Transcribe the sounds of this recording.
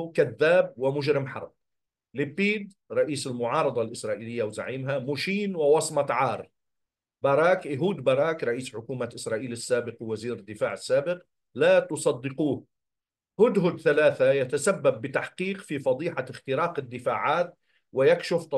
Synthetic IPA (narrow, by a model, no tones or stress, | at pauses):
kaðːaːb̚wɪmʊʒɾɪmħɑ̰ɾˤb̚ | lɪbːiːd̪ | ɾˤɑʔiːsɪlmʊʕɑːɾˤɑd̪ˤɑlʔɪsɾˤɑːʔiːlɪjːawza̰ʕiːmɦamʊʃiːnwɪwɑsˤmɑt̪ʕɑːɾˤ | baɾˤɑːkɪɦuːd̪bɑɾˤɑːkɾˤɑʔiːsħʊkuːmaʔɪsɾˤɑːʔiːlɪsːaːbɪqwwaziːɾɪd̪ːɪfaːʕɪsːaːbɪq | laːt̪ʊsˤɑd̪ːɪquːh | hʊd̪ɦʊd̪θalaːθajat̪asabːabːɪt̪aħqiːqfifɑd̪ˤiːħaɪxt̪ɪɾɑːqɪd̪ːɪfaːʕaːt̪̚ | wɪjakʃɪft̪ˤɑ